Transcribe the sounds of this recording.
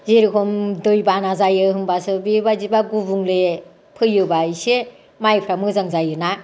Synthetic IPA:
zeɾikʰɔmdɯjbanazajɯɦɯmbasɯbiɯbazibaɡubuŋle | pʰɯjɯbajse | majpʰɾamɯzaŋzajɯna

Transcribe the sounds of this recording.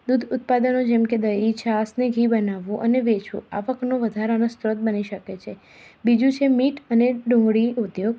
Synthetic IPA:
d̪ud̪ʱʊt̪̚pad̪ənod͡ʒɛmked̪əit͡ʃʰasneɡʱibənaʋõʔəneʋet͡ʃo̰a̰ʋəknoʋəd̪ʱaɾənost̪ɾot̪̚bəniʃəket͡ʃʰe | bid͡ʒũt͡ʃʰemiʈəneɖõɽiud̪joɡ

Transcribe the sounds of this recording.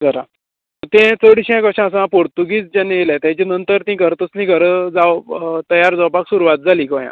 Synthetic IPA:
d͡zəɾã | ət̪ẽt͡səɽiɕãkəɕãəs̬ãpoɽt̪uɡiːt͡sd͡ʑanːeelat̪jãt͡ɕenənt̪əɾt̪ĩɡʱəɾt̪əslĩɡʱəɾəd͡zawt̪əjaɾd͡zawpaksuɾuʋat̪̚d͡zʱaliːkɔ̃jã̰

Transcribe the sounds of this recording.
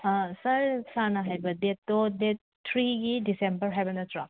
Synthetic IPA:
sɐɾsanɐɦajbɐdet̚ːodet̚ | tʰɾiɡidisembɐɾɦajbɐnɐtɾak

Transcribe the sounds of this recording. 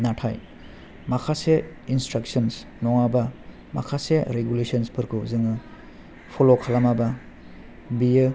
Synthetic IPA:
natʰa̰j | makʰase | instɾak̚sɔns | nɔŋaba | ma̰kʰaseɾeɡulesɔnspʰɯɾkʰuzɯŋɯ | pʰolokʰalamaba | bijɯ

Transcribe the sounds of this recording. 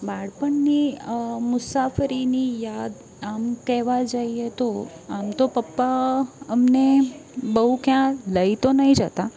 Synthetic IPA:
baɽpəɳnimʊsafəɾinijad̪ | amkɛʋad͡ʒaiet̪o | amt̪opəpːaəmnebəɦukjãləit̪onəɦĩd͡ʒət̪a

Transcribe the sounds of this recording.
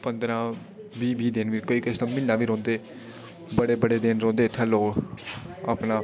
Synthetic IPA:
pənd̪ɾãː | ʋiːbiːd̪ɪnʋiːkoːiːkəʃt̪aːmɪnːaːʋiːɾɔ̃ːnd̪eː | bəɽeːbəɽeːd̪ɪnɾɔ̃ːnd̪eːt̪ʰəːloː | a̰ːpnaː

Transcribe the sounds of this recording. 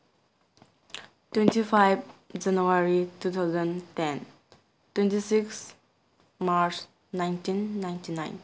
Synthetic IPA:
twẽntifʰajbd͡ʒanuaɾitut̪ʰaʊzə̃ntɛn | twẽntisiks | maɾs | naɪntĩnːaɪntinã̰jn

